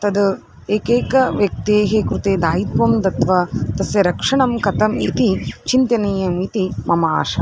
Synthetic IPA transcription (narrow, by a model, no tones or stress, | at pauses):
t̪ɐd̪ | eːkeːkɐʋjɐk̚t̪eːɦekɾut̪eːd̪aːjit̪̚ʋɐmd̪ɐt̪ʋɐt̪ɐsjɐɾɐkʂɐɳɐmkɐt̪ɐmḭt̪it͡ʃint̪ɐneːjɐmit̪imɐma̰ːʂɐ̰